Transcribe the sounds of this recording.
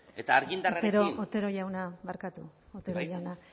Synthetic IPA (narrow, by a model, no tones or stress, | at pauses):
et̪aːɾɣind̪arat̪eɾoot̪eɾojawnaβaɾkat̪uot̪eɾojawna